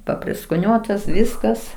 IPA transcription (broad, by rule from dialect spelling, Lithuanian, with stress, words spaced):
pɐpʲrʲɪskoːˈnʲuɔtɐs ˈʋʲɪskɐs